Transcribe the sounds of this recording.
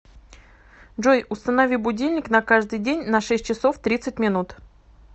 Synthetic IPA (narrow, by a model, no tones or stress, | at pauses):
ʐojʊst̪ənɐvʲibʊdʲilʲnʲɪknɐkaʐd̪ɨjdʲenʲnɐʂɛsʲt̚ʲt͡ɕɪsoft̪ɾʲit̪sɨtʲmʲɪnut̪